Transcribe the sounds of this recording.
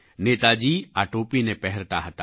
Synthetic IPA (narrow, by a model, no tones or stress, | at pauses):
neːt̪ad͡ʒiːaːʈoːpinepɛɦɛɾt̪aɦət̪aː